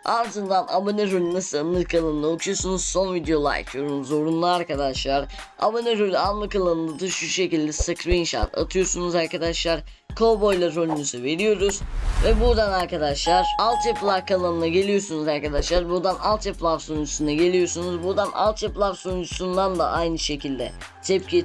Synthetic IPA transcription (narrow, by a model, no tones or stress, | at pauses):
and̪ɯnd̪anʔa̰boneɾolʲynasɯlˠanːˠɯkʰalˠanɯnaokʰujosunuz̥so̞nvid̪ejo̞lˠa̰jt̪ʰjoɾunzo̞ɾunlˠaaɾkad̪aʃlˠaɾ | a̰boneɾolʲyanˠlˠɯkalˠanɯnd̪ad̪ɯʃʃʃe̞cilʲd̪ɛsɯkʰɾiinʃa̰t̪a̰t̪ʰɯjo̞ɾsunuzaɾkʰad̪aʃlˠaɾ | kʰobo̞jlˠaɾo̞lʲynyzyve̞ɾijo̞ɾuzvɛbuɾd̪anaɾkad̪aʃlˠaɾalˠt̪ɛplˠavkʰalˠanɯnaɟe̞lʲijo̞sunuzaɾkad̪aʃlˠaɾbuɾd̪analˠt̪ɛplˠavsojund͡ʒʰusunaɟe̞lʲijo̞ɾsunuzbuɾd̪anʔa̰lˠt̪ɛplˠavsojnd͡ʒʰusund̪and̪a̰ʔajnɯʃe̞cʰilʲd̪ɛ̰ | t̪ʰɛp̚cʰi